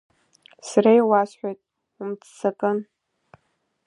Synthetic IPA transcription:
sarajwasħʷᶣajtʼ | ʊmt͡sʰt͡sʰakʼɨn

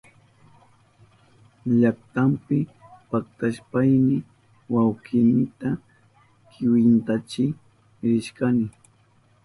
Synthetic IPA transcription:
ʎakt̪ampɪpak̚t̪aʃpajmɪ | wawkɪnɪt̪a | kʰɪwɪnt̪at͡ʃɪ | ɾɪʃkanɪ

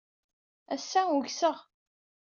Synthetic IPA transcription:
æsːæuçsəʁ

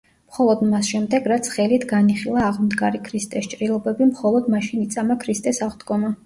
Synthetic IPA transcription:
mχɔlˠɔd̪masʃɛmd̪ɛɡɾat̪sʰχɛlit̪ʰɡaniχilˠaːʁmd̪ɡaɾikʰɾist̪ʼɛst͡ʃʼɾilˠɔbɛbimχɔlˠɔd̪maʃinit̪sʼamakʰɾist̪ʼɛsaʁd̪ɡɔma

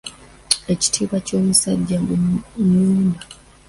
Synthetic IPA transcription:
e̞ci̥tʰiːβwaco̞ːmusaɟːaŋɡuɲuːnda

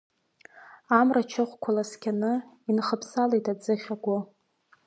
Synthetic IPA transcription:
amrat͡ʃʰɪχʷkʷʰalaskʲʰanɨ | inχəpʰsalejtʰad͡zɨχʲaɡʷʊ

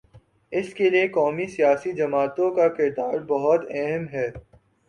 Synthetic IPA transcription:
ɪskeliekɔːmisijaːsid͡ʒɐmaːt̪õkakɪɾd̪aːɾbɐɦʊt̪ɛɦəmɦɛː

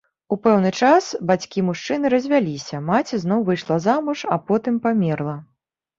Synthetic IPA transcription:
upɛwnɨt͡ʂasbat͡sʲkʲimuʂt͡ʂɨnɨɾɐzʲvʲalʲisʲɐmat͡sʲɛzn̪ɔwvɨjʂlˠazamuʂapɔt̪ɨmpamʲɛrlˠɐ

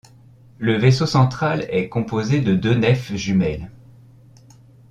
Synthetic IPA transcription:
ləvesosɑ̃t̪χalɛkɔ̃pozed̪əd̪ønɛfʒymɛl

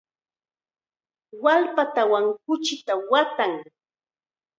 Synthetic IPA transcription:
walpat̪awaŋkʊt͡ʃɪt̪awat̪aŋ

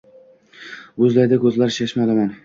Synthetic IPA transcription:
bɵzlaɾd̪akʰɵzlaɾɪʃaʃmalaman

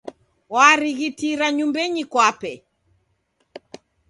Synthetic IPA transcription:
waɾiɣitiɾaɲumbɛɲikwapɛ

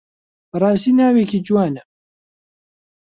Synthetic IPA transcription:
bɨrˤɑːst̪iːnaːwekiːd͡ʒuwaːnɛ

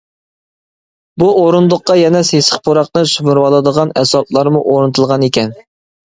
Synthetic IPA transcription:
buoɾund̪ʊqːɑjɛnɛsesə̥χpʰoɾɑqnɨʃymɪɾwɑlˠɨd̪əʁɑnɛsɑplˠɑɾmuʔoɾɨnɨt̪ʰɨlˠʁɑnekʲɛn

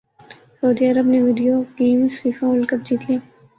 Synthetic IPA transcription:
sɐʊd̪iːɐɾəbneʋiːɖijokeːmsfiːfãʊlkəp̚d͡ʒiːt̪liaː

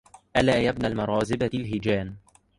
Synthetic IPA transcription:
ʔalaːjabnalmɑɾˤɑːzɪbalɦɪd͡ʒaːn

